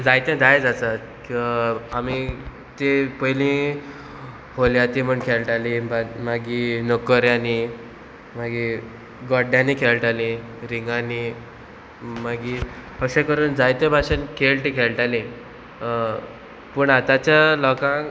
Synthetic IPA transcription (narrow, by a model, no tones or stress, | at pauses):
d͡zajt̪jẽd̪ajd͡zat͡sa | ami | t̪epəjlĩ | holjat̪im̤əɳkʰelʈalĩbamaɡiːnokəɾjani | maɡiː | ɡɔɖjãniːkʰelʈalĩ | ɾiŋɡani | maɡipəkɕẽkəɾuːnd͡zajt̪ẽbʱaɕənkʰelʈikʰelʈalĩ | pəɳat̪at͡ɕjalɔkã